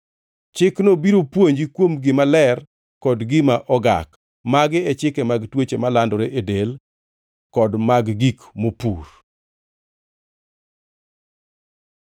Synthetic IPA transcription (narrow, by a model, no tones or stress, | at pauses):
t͡ʃɪknobiɾopwoɲd͡ʒikwomɡɪmalɛr | kɔdɡɪmaʔɔɡa̰k | maɡɪɛt͡ʃɪkɛmaɡtwet͡ʃemalandɔɾeʔedel | kɔdmaɡɡikmopur